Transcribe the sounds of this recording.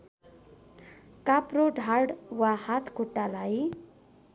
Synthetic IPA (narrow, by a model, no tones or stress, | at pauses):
kapɾoɖʱaɽwahat̪ʰɡʰʱuʈːalaj